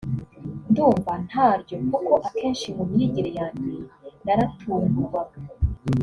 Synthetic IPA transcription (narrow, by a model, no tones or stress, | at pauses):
nduːmvan̥haːɾɟo̞kukoʔake̞ːnʃimumiɾiɟiɾejaːɲdenaɾatʰuːŋɡuβa